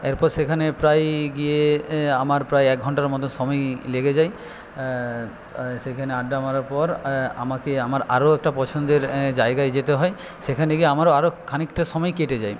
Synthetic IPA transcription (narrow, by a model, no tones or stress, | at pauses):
eɾpɔɾsekʰanepɾajɡieamaɾpɾajɛk̚ɡʱɔɳʈaɾmɔt̪onʃɔmɔjleɡed͡ʑaj | sekʰaneaɖːamaɾaɾpɔɾa̰makeamaɾaɾoɛk̚ʈapɔt͡ɕʰond̪eɾd͡ʑaeɡajd͡ʑet̪eɦɔe | ʃekʰaneɡieamaɾoaɾokʰanikʈaʃɔmɔjkeʈed͡ʑaj